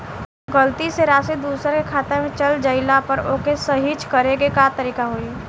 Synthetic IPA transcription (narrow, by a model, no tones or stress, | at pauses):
ɡəlt̪iseɾaːsid̪uːsəɾkekʰaːt̪emẽt͡ʃɐld͡ʒəɪlapəɾoːkesɐɦit͡ʃkɐɾeɡekat̪əɾiːkaɦoi